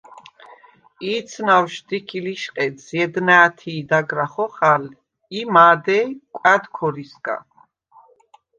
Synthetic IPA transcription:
iːt̪sʰnawʃd̪ikʰiliʃqʼɛsjɛd̪naːt̪ʰiːd̪aɡɾaχɔχal | imaːd̪ɛkʼad̪kʰɔɾisɡʼa̰

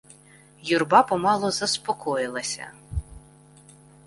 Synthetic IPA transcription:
jurbɑpɔmɑlˠɔzɐspɔkʰɔjɪlˠɐsʲɐ̰

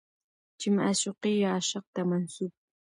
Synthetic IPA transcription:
t͡ʃɪmaʃoqɪjaːʃɑq̚t̪amansʊp̚

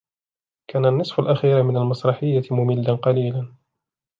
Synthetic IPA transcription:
kʰaːnanːɨsˤfʊlʔaxiːɾmɪnalmɑsˤɾˤɑħɪjːamʊmɪlːanqɑliːlan

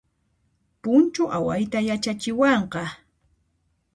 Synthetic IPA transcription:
pʊnt͡ʃʊʔawajt̪ajat͡ʃat͡ʃɪwɑɴqɑ

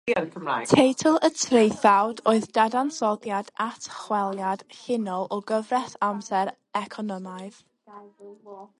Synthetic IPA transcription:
nkʰəmatʰejtʰəlˠətʰrejθawdoːɨðdadansɔdjadatʰχwɛlˠjad̥hɪnɔlˠɔɡəvrɛθamsɛɾ | ɛkʰɔnɔmaɨð̥

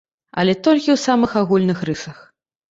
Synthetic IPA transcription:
ɐ̰lʲɛt̪ɔlʲkʲiwsamɨxaɣulʲnɨxrɨʂɐx

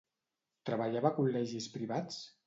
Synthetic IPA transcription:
t̪ɾəβaʎaβakulɛʒispɾiβat͡s

